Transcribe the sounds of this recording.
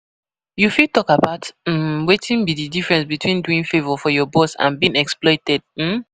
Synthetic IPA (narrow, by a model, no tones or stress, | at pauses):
jufitɔkabaʊtm̩wetʰĩnbididifɹɛ̃nsbitwĩnduĩŋfevɔfɔjɔbɔsã̰nbiĩŋɛksplɔɪtɛd̥̚m̩